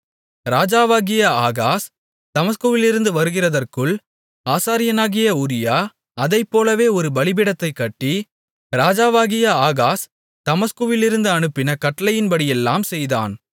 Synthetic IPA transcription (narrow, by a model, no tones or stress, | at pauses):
ɾaːd͡ʒaːʋaːɣɪjɐaːɣaːs | ɐmɐskuʋɪlɪɾɯnd̪ɯʋɐɾɯɣɪrɐðɐrkɯɭ | aːsaːɾɪjɐnaːɣɪjɐʊɾɪjaː | ɐðɐɪpːoːlɐʋeːɔɾɯbɐɭɪbɪɽɐt̪ːɐɪkːɐʈːi | ɾaːd͡ʒaːʋaːɣɪjɐaːɣaːs | t̪ɐmɐskuʋɪlɪɾɯnd̪ɯɐnɯpːɪnɐkɐʈːɐlɐjɪnbɐɽɪjɛlːaːmsɛjða̰ːn